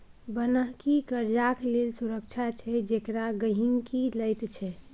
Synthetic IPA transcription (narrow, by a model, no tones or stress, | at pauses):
bənəɦkikəɾd͡ʒaklelsuɾək̚t͡ʃʰat͡ʃʰɛd͡ʒekɾaɡəɦiŋkiləjt̪t͡ʃʰɛ